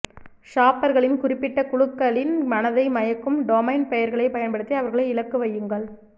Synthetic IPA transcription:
ʂaːpːɐɾɣɐɭɪnkʊrɪpːɪʈːɐkʊɻɯkːɐɭɪnmɐnɐðɐɪmɐjɐkːɯmɖoːmɐɪnpɛjɐɾɣɐɭɐɪpɐjɐnpɐɽɯt̪ːiɐʋɐɾɣɐɭɐɪɪlɐkːɯʋɐjːɯŋɡɐɭ

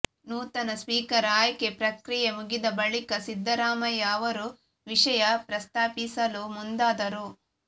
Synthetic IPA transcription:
nuːt̪ɐnɐsʋiːkɐɾaːjkepɾɐkɾijemuɡid̪ɐbɐɭikɐsid̪ʱːɐɾaːmɐjɐːʋɐɾu | ʋiʂɐjɐpɾɐst̪aːpisɐlumund̪aːd̪ɐɾu

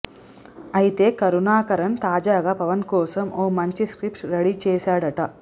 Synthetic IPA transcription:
ɐjit̪eːkɐɾunaːkɐɾɐnt̪aːd͡ʒaːɡɐpɐʋɐnkoːsɐmʔoːmɐɲt͡ʃiskɾipʈɾɐɽit͡ʃeːsaːɽɐʈɐ

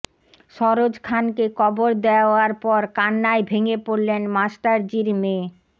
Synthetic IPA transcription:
ʃɔɾod͡ʑkʰankekɔboɾd̪eaaɾpɔɾkanːaebʱeŋepoɾlenmasʈaɾd͡ʑiɾme

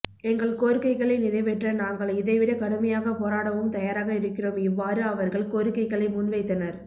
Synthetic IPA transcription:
ɛŋɡɐɭkoːɾɯkːɐɪɣɐɭɐɪnɪnɐɪʋɛʈrɐnaːŋɡɐɭɪðɐɪʋɪɽɐkɐɽɯmɐjaːɣɐpoːɾaːɽɐʋɯmt̪ɐjaːɾaːɣɐɪɾɯkːɪroːmɪʋːaːɾɯɐʋɐɾɣɐɭkoːɾɯkːɐɪɣɐɭɐɪmʊnʋɐɪt̪ːɐnɐɾ

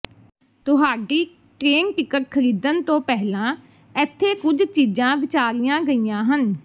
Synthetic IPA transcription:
t̪ʊɦaːɖiː | ʈɾeːnʈɪkəʈ̚kʰəɾiːd̪ənt̪õːpɛɦlãː | ɛːt̪ʰːeːkʊd͡ʒt͡ʃiːd͡ʒãːʋɪt͡ʃaːɾɪjãːɡəiːjãːɦən

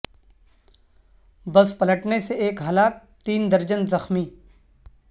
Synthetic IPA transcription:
bɐspɐləʈneseeːkɦɐlaːk̚ | t̪iːnd̪ɐɾd͡ʒənzɐxmiː

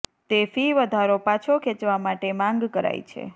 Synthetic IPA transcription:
t̪efiʋəd̪ʱaɾopat͡ʃʰokʰet͡ʃʋamaʈemãŋɡkəɾa̰jt͡ʃʰḛ

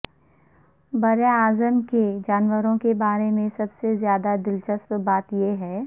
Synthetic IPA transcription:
bɐɾeaːzəmked͡ʒaːnwəɾõkebaːɾemẽsɐbsezjaːd̪ad̪ɪlt͡ʃəspbaːt̪jeɦɛː

